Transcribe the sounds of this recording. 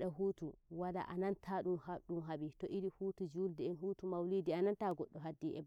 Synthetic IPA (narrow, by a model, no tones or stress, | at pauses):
ɗaɦuːtuwala̰ʔanantʰaɗumhaɗumɦaɓitɔʔiɾihuːtud͡ʒuldɛɛnhutumawlidianantaɡɔɗːɔɦadːiʔɛ̰